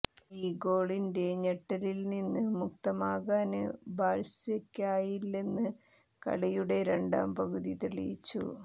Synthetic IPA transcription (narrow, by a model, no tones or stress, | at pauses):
iːɡo̞ːɭinde̞ɲeʈːɐlilninːɨmuk̚t̪ɐmaːɣaːnɨbaːɭsekʲːaːjilninːɨ | kɐ̰ɭɐjuɽe̞ɾe̞ɳɖa̰ːmpɐɣuðit̪iɭḭjit͡ɕːṵ